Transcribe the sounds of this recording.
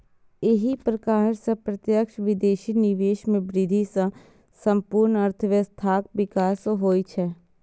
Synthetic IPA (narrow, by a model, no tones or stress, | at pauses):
ɪɦipɾəkaːɾsə̃pɾət̪jəkʃʋɪd̪eːʃiːnɪʋeːʃmẽbɾɪd̪ʱisã | sə̃mpuɾnəɾt̪ʰəʋəst̪ʰaːk̚ʋɪkaːsoɦoːit͡ʃʰɛː